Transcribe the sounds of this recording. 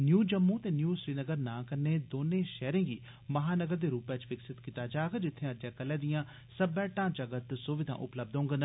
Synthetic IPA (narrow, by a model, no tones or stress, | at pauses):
njuːd͡ʒəmːõːt̪eːnjuːsɾiːnəɡəɾnãːkəɾneːd̪oːnẽːʃɛːɾẽːɡiː | məɦaːnəɡəɾd̪eːɾuːpɛt͡ʃʋɪksɪt̪kiːt̪aːd͡ʒaːɡd͡ʒɪt̪ʰːẽːəd͡ʒɛːkəlːɛːd̪ijãː | səbɛ̃ːʈãːt͡ʃəɡət̪soːʋɪd̪ʱã̰ːʔʊ̰pləb̚d̪ɦõːɡn